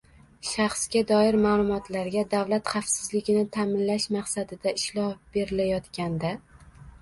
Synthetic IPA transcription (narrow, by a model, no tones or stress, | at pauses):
ʃaχsɡʲad̪ɒɪɾmaːlˠʊmɒt̪laɾɡʲad̪awlat̪χɑfsɪzlɪɡʲɪnɪt̪ʰamɪnlaʃmɑqsad̪ɪd̪aɪʃlˠɒhb̥e̞ɾɪlajɒt̪kʲand̪a